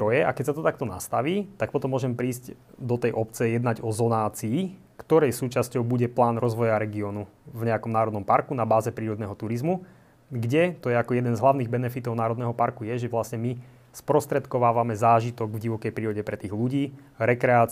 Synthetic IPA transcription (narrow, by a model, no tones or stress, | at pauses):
ɔjɛakɛcsat̪ɔt̪ak̚t̪ɔna̰st̪aʋiːt̪ak̚pɔt̪ɔmːʊɔːʒɛmpɾiːscd̪ɔt̪ɛjʔɔp̚t͡sɛjɛd̪naɟɔzɔnaːt͡siː | kt̪ɔɾɛjsuːt͡ʃascɔʊbuɟɛplaːnɾɔzʋɔjaɾɛɡiɔːnuvɲɛakɔmnaːɾɔd̪nɔmpaɾkunabaːzɛpɾiːɾɔd̪nɛɦɔt̪uɾizmu | ɡɟɛt̪ɔjɛakɔjɛd̪ɛnzɦlaʊniːɣbɛnɛfit̪ɔʊnaːɾɔd̪nɛːɦɔpaɾkujɛʒɛʋlasɲɛmi | spɾɔst̪ɾɛt̪kɔʋaːʋamɛzaːʒit̪ɔɡvɟiʋɔkɛjpɾiːɾɔɟɛpɾɛt̪iːɣluɟiː | ɾɛkɾɛaː